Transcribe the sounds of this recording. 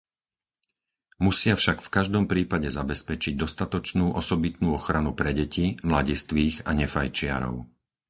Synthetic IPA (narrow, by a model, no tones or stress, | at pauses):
musɪafʃakfkaʒd̪ɔmpɾiːpaɟɛzabɛspɛt͡ʃiɟ̚d̪ɔst̪at̪ɔt͡ʃnuːʔɔsɔbit̪nuːɔxɾanupɾɛɟɛcimlaɟɛst̪ʋiːɣaɲɛfajt͡ʃɪa̰ɾɔ̰ʊ